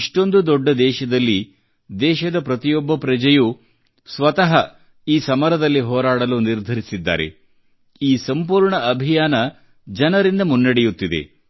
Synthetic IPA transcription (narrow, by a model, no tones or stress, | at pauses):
ʂʈo̞nd̪ud̪ɔɖːɐd̪ɛːʃɐd̪ɐlːi | d̪ɛːʃɐd̪ɐpɾɐt̪ijɔbːɐpɾɐd͡ʒɐju | sʋɐt̪ɐɦɐ | iːsɐmɐɾɐd̪ɐlːiɦɔːɾaːɽɐluniɾd̪ʱɐɾisid̪ːa̰ːɾe̞̰ | iːsɐmpuːɾɳɐʔɐbʱijaːnɐ | d͡ʒɐnɐɾind̪ɐmunːɐɽejut̪ːid̪ḛ